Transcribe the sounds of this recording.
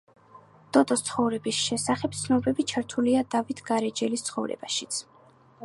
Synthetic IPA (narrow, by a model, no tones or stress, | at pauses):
d̪̥ɔd̪ʼɔst̪sʰχɔvɾɛbisʃɛsaχɛp̚t̪sʰnɔbɛbit͡ʃʰaɾt̪ʰuliad̪avit̪ʰɡaɾɛd͡ʒɛlist̪sʰχɔvɾɛ̰baʃit̪sʰ